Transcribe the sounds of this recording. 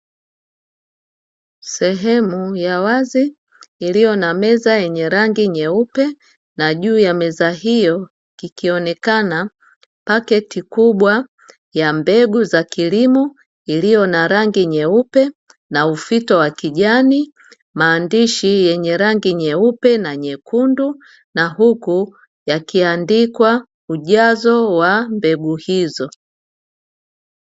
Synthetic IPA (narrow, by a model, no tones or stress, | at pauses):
sɛɦɛmujawaziː | lijɔnamɛzajɛɲɛɾaŋɡiɲɛupɛ | naʄuːjamɛzaɦijɔ | kikiɔnɛkana | pakɛtikuɓwa | jambɛɡuzakilimɔ | ilijɔnaɾaŋɡiɲɛupɛ | naufitɔwakiʄani | maːndiʃijɛɲɛɾaŋɡiɲɛupɛnaɲɛkʰundu | nahɦuku | jakiandikwa | uʄazɔwambɛɡuhizɔ